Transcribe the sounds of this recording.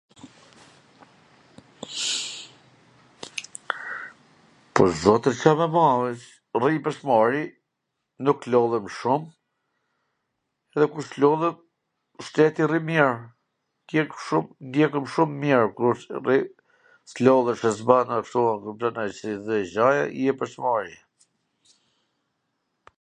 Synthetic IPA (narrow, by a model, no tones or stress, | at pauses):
pɔɾzɔt̪əɾt͡ʃamɛmawɛt͡ʃ | ripəsmaɾi | nuklɔlˠɛmʃum | ɛðɛkuɾslɔlˠɛt | ʃt̪ɛt̪irimjɛɹ | t̪jɛkʃumnd̪jɛkəmʃumːjɛɹkuɾri | slɔlˠɛʃɛsbanakʃt̪uakuplanat͡ʃsiðɛʒaja̰jɛpəɾsmaɾi